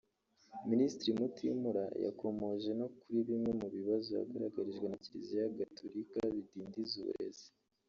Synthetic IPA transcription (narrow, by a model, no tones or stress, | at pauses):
ministɾimutʰimuɾaja̰kʰo̞mo̞ʒe̞no̞kuɾiβimŋe̞muβiβazoja̰ɡaɾaɡaɾiʒɡwe̞naciɾizijaɡatʰoɾikaβidiːndizṵɾḛze̥